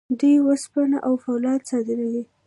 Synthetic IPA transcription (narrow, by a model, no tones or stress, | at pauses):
d̪ujwəspanaʔawfawlɑd̪sɑd̪ɪɾawi